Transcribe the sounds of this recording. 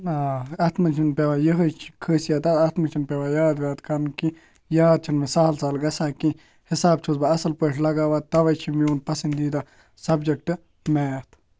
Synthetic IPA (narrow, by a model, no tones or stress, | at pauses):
aːɐt̪ʰmɐt͡ʃʰinpʲeʋaːjəɦət͡ʃʰi̥kʰəːsijaːt̪ɐt̪ɐt̪ʰmɐt͡ʃʰinpʲeʋaːjaːd̪ʋʲjaːt̪kɐɾnki | jaːd̪̚t͡ʃʰinmesaːlsaːlɡɐsaːki | hɪsaːbt͡ʃʰuzbaɐsɐlpəʃʰlɐɡaːʋat̪ɐʋɐt͡ʃʰimiuːnpɐsɐnd̪iːd̪a | sɐbd͡ʒek̚ʈɨ | meɐt̪ʰ